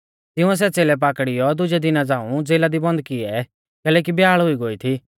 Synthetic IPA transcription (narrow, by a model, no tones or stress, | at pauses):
t̪ɪũɛs̬ɛt͡seːlɛp̬aːkɽɪjɔd̪ʊd͡ʒɛd̪ɪnad͡zaːũd͡zeːlad̪ibɔ̃nd̪kɪɛ | kɛːlɛːk̬ibjaːɭɦʊiɡoːit̪ʰiː